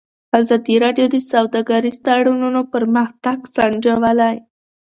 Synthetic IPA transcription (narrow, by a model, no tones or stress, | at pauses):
azɑd̪iɾɑɖjod̪əsawd̪ɑɡaɾist̪aɽununopəɾmaxt̪aksand͡ʒawalaj